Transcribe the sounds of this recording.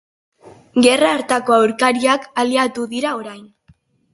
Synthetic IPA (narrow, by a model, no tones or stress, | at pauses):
ɡe̞raːɾt̪ako̞awɾkaɾiakaliat̪uðiɾao̞ɾajn